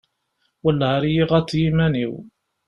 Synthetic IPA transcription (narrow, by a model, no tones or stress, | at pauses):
wəlːʁɾijiʁæt͡sːjimæniw